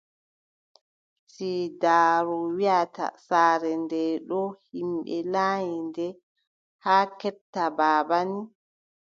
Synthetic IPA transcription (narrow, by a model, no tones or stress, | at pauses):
sidaːɾɔwiata̰saːɾɛndɛɗɔhimɓɛlaːjindɛ | haːkɛp̚tːabaːbani